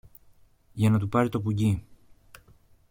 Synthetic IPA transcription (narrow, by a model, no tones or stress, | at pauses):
ʝɐnɐt̪̬upɐɾit̪o̞puɟi